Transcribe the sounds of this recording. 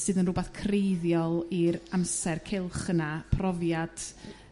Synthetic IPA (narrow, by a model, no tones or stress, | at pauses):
sɨːðənrʊbɛθkʰrejðjɔlˠiɾamsɛrkʰɪlˠχənapʰrɔvjad̥